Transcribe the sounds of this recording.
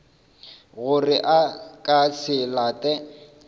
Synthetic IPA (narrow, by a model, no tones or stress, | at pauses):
ɣʊrɪʔakʼasɪlaːtʼɛ